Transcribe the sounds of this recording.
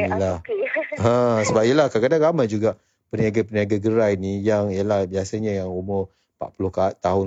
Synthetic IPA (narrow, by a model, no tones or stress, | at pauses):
nilahɦə̃səbap̚iəlahkakadaŋɡamajd͡ʒuɡaʔ | pəniaɡapəniaɡaɡəɾainijaŋijəlahbiasaɲajaŋumɔ | pa̰ʔpulʊhkat̪ːaɦʊn